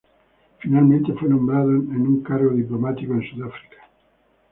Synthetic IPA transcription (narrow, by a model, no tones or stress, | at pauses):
finalmẽnt̪efunõmbɾaðoenuŋkarɡod̪iplomat̪ikoinsud̪afɾi̥kḁ